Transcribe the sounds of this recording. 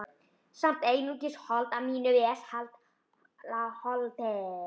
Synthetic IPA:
sam̥t̪eːjnucɪshɔlt̪amiːnʏvɪɛshalt̪ | lahɔlt̪ɛ

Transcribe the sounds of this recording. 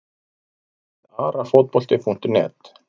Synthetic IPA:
aːɾafot̪̚pɔl̥t̪ɪpʰun̥t̪ʏnɛ̰ːt̪

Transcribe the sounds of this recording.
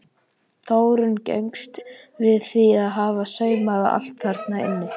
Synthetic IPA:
θoːwɾʏncɛ̰jŋkst̪vɪðθiaðɦaːvasœːɥmaða̰ʔa̰l̥t̪faɾt̪naɪ̰nːɪ

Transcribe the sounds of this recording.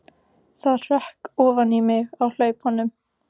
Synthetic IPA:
θaðɾɛhkɔːvanimɪɣawl̥œːɥphɔnːʏm

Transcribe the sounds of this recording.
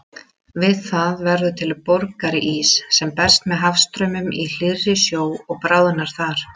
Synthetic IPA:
vɪðθaðvɛɾðʏt̪ʰɪlpɔɾkaɾɪʔisːɛmpɛr̥st̪mɛðɦafst̪ɾœɥmʏmil̥ɪrːɪsjoːwɔɣpɾaːwðɪnaɾ̥θaɾ̥

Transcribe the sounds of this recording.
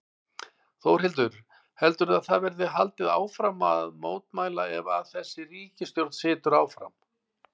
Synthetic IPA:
θowr̥hɪlt̪̬ʏɾ̥ | hɛlt̪ʏɾaðθaðvɛɾðɪɦalt̪ɪða̰ːwfɾama̰ðmoːwt̪maːjlaɛvaðθɛsːɪriːcɪst̪jowɾt̪sɪːt̪ʏɾaːwfɾa̰m

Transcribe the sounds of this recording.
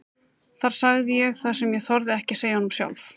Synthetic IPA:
θaɾ̥saɣðɪjɛɣθaðsɛmjɛθɔɾðɪɛhcɪseːjaɔnmsja̰wlf

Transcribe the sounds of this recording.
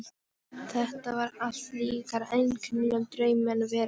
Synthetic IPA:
θɛht̪avaɾal̥t̪liːkaɾejnkʰʏmlœnt̪ɾœːɥmɛnvɛːɾ

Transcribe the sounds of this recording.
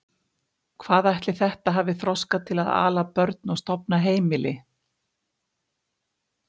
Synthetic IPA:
kʰvaːðajht̪lɪθɛht̪aɦaːvɪθɾɔskat̪ʰɪlaða̰ːlapœɾt̪̚nɔɣst̪ɔpnaɦeːjmɪlɪ

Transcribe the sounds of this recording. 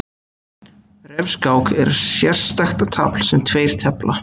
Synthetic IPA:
rɛvskaːwkɛ̰ɾsjɛr̥st̪axt̪at̪ʰa̰ːpl̥sɛmt̪ʰveːjɾ̥t̪ʰɛpla

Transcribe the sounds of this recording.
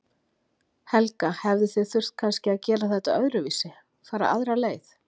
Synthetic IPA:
hɛlkahɛvðɪθɪðθʏr̥t̪̚kʰanscɪaðcɛːɾaθɛht̪a̰œðɾʏviːsɪ | faːɾa̰ʔaðɾaleːjθ

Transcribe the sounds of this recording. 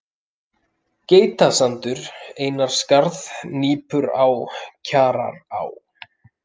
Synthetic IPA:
ceːjt̪asant̪ʏɾeːjnaɾ̥skaɾðniːpʏɾa̰wcʰaːɾa̰ɾa̰w

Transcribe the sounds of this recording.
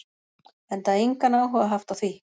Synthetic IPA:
ɛnt̪aðeŋkanawɦɔɣaɦaft̪aθvi

